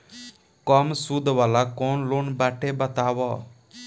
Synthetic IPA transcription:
kɔmsud̪ʱʋalakɔnloːnbaːʈebət̪aːʋɔ

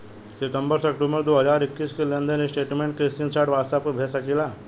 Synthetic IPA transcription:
siʈəmbəɾsəkʈumbəɾd̪oɦəzaɾikːiːskilənd̪ənisʈeʈmẽɳʈkɾiskinsaʈʋaɾsap̚kəbʱesakila

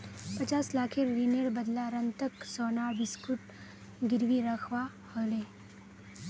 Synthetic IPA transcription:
pɐt͡ʃaːslaːkʰeɾineɾbɐd̪laɾɐ̃nt̪əksɔːnaːɾbɪskuʈ | ɡɪɾʋiɾɐkʰwa | holeː

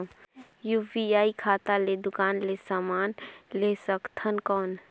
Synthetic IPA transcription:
jubiaːikʰaːt̪aled̪ʊkaːnlesaːmaːnleːsəkt̪ʰənkɔːn

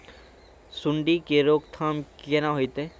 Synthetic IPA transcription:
sʊɳɖikeɾoːɡt̪ʰaːmkenaɦoit̪e

